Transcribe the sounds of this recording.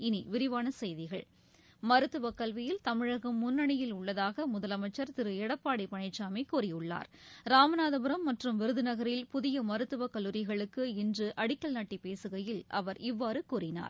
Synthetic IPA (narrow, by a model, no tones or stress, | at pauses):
ɪniʋɪɾɪʋaːnɐsɛjðɪɣɐɭ | mɐɾɯt̪ːɯʋɐkɐlʋɪjɪlt̪ɐmɪɻɐɣɐmːʊnːɐɳɪjɪlʊɭːɐðaːɣɐmʊðɐlɐmɐɪt͡ʃːɐɾt̪ɪɾɯɛɽɐpːaːɽɪpɐɳɐɪt͡ʃːaːmeɪkuːrɪjɯɭːa̰ːɾɾaːmɐnaːðɐbɯɾɐmːɐʈrɯmʋɪɾɯðɯnɐɣɐɾɪlpʊðɪjɐmɐɾɯt̪ːɯʋɐkɐlːɯɾɪɣɐɭɯkːɯɪndrɯʔɐɽɪkːɐɭnɐʈːipeːsɯɣɐjɪlʔɐ̰ʋɐɾɪʋːaːɾɯkuːrɪna̰ːɾ